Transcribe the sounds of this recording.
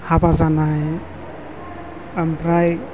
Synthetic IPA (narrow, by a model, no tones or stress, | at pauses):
habazanaj | ampɾaj